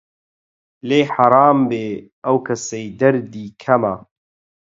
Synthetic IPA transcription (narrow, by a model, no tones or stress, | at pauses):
leːħaɾˤɑːmbeː | ʔɐwkʰɐsɐjd̪ɐɾd̪iːkʰɐmɐ̰